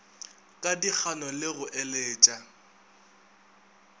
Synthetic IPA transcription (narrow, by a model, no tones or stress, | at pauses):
kʼadik͡xʰanɔlɪɣʊʔeleːt͡ʃʼa